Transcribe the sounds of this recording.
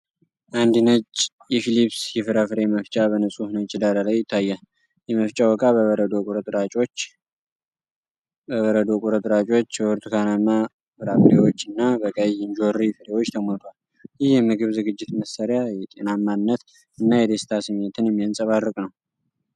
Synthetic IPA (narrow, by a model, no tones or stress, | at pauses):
ʔand̪inət͡ʃʼ | jɛfilipsjɛfɨɾafɨɾe̞məft͡ʃʼabənəsʼuhnət͡ʃʼːɪd̪aɾalajɪt̪ʰːajːa | jɛməft͡ʃʼawɔkʼaβəβəɾəd̪okʼuɾət̪ʼɾat͡ʃʼot͡ʃː | bəβəɾəd̪o̞kʼuɾət̪ʼɨɾat͡ʃʼo̞t͡ʃːɛwɔɾt̪ʰukʰanama | fɨɾafɨɾewot͡ʃːɨnːabəkʼəjɪɲd͡ʒorifɨɾewot͡ʃːt̪ʰəmont̪ʰwal | jɪhjɛmɨɡɨβzɨɡɨd͡ʒːɪt̪məsːaɾjajɛt̪ʼenamːannːət̪ | ɨnːajɛd̪e̞st̪ʰasɨmet̪ʰɨnjɛmːijansʼəβarːəkʼnəw